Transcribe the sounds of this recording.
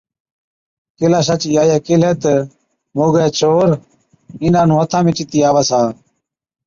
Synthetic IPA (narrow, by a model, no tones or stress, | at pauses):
kilaːsat͡ɕijaːjaːkilet̪e | moːɡeːt͡ɕʰoːɾ | inãːnũːət̪ʰãːmit͡ʃit̪iːaːʋasaː